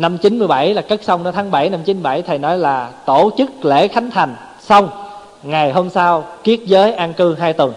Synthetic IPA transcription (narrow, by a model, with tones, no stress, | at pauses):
na˧mt͡ɕi˨˦nmɨ˧əjɓa˧˩jlaː˨˩kə˦˥k̚sa˧wŋ͡mnɔ˨˦t̪ʰaː˨˦ŋɓa˧˩jna˧mt͡ɕi˨˦n˧˩ɓa̰˧˩jt̪ʰa˨˩jnɔ˨˦jlaː˨˩t̪o˧˩t͡ɕɨ˦˥k̚lḛ˧˥˩xa˨˦jŋ̟t̪ʰa˨˩jŋ̟ | sa˧wŋ͡m | ŋa˨˩jɦo˧msaː˧wki˦˥ət̚zəː˨˦jʔaː˧nkɨ˧ɦaː˧jt̪wə˨˩n